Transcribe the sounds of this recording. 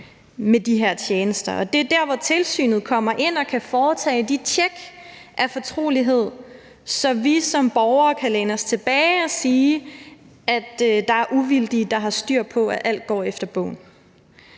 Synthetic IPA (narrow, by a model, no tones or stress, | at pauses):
med̥iɦæɐt͡ɕʰjeːnəsd̥ɐʔɒ̽d̥e̝d̥æɐʋɒt͡sʰe̝lsy̰ːnð̞̩ˠkʰɒ̽m̰ɐʔe̝n̰ɒ̽kʰæfɒːt͡sʰɛ̰ːd̥it͡sʰeɡ̥ʔæfɒ̽t͡sʰʁo̝̰ːliɦe̝ð̞̰ˠ | sɒ̽ʋisɒ̽mb̥ɒʊɐːkʰælenɒ̽st͡sʰe̝b̥ɛːɪɒ̽siː | ʔæd̥d̥ɑ̈æɐʔuʋild̥id̥ɑ̈ɦɑ̈sd̥yɐ̰pʰɒ̽æʔæl̰d̥̚ɡ̥ɒ̰ːefd̥ɐb̥ɔ̰̽ːn